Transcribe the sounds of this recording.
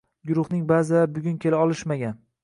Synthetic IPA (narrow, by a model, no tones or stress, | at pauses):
ɡʊɾʊχnɪŋbazɪabʊɡʲʊnkʲʰe̞laɒlˠɪʃmaɡʲan